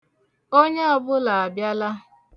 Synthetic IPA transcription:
o˦ɲe˦a˨bʊ˦la˨a˨bja˦la˦

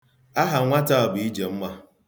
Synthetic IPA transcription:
a˦ɦa˨ŋʷa˦ta˦ɔ˨bʊ˨i˦d͡ʒe˨m̩˦ma˦

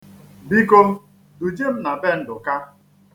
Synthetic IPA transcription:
bi˦ko˦m˦ | du˨d͡ʒe˦m̩˦na˨be˦n̩˦dʊ˨ka˦

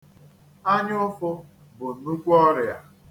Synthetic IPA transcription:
a˦ɲ˦ʊ˦fʊ˦ | bʊ˨n̩˨nu˦kʷu˦ɔ˦ɾɪ˨a̰˨

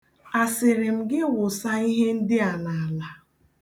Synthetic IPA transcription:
a˨sɪ˨ɾɪ˨m̩˨ɡɪ˦wʊ˨sa˦i˦ɦe˦n̩˦dɪ˦a˨na˨a˨la˦

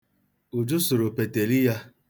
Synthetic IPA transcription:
u˨d͡ʒʊ˦su˨ɾo˨pe˨te˨li˦ja˦

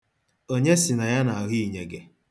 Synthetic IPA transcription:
o˦ɲe˦sɪ˨na˨ja˦na˨ɦi˦i˨ɲe˨ɡe˦

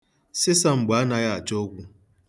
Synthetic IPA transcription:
sɪ˦sa˦ŋ͡m̩˨ɡ͡ba˨a˦na˨ɣa˦a˨t͡ʃɔ˦ɡʷu˦

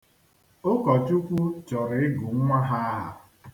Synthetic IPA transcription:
o˦kɔ˨t͡ʃu˦kʷu˦t͡ʃɔ˨ɾɪ˦ɡu˨ŋ̩˦ŋʷa˦ɦa˦˨

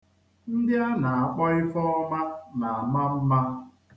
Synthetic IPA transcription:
n̩˦dɪ˦a˦na˨a˨k͡pɔ˦ɪ˦fɔ˦ɔ˦ma˦na˨a˨ma˦m̩˦ma˦

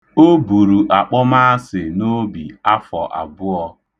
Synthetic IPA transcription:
o˦bu˨ɾu˨ʔa˨k͡pɔ˦ma˦a˦sɪ˨no˦bi˨a˦fɔ̰˨ʔa̰˨bʊ˦ɔ˦

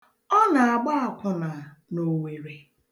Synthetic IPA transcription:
ɔ˦na˨a˨ɡ͡ba˦a˨kʷʊ˨na˨no˨we˨ɾe˨

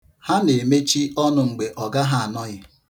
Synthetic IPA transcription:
ha˦ne˨me˦t͡ʃi˦ɔ˦nʊ˨ŋ͡m̩˨ɡ͡be˨ʔɔ˨ɡa˦ɦa˦a˨nɔ˦ɣɪ˦

